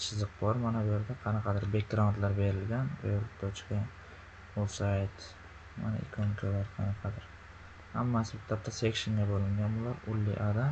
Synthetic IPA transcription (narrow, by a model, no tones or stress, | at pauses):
t͡ʃʰɨzɨq̚bɒɾmanabʊje̞ɾd̪aqʰɑnɑqʰɑd̪ɪɾbekɾant̪laɾbe̞ɾɪlɡʲanbelk̚t̪ʰat͡ʃʰqe | ot̪sajt̪ | ma̰na̰ɪ̰kʰonkʲʰalaɾqʰɑnɑqʰɑd̪ɪɾ | hamːasɪbɪt̪ʰap̚t̪ʰasekʲʃɪŋɡʲabolɪŋɡʲanbʊlaɾʊlːɪ̰ʔad̪a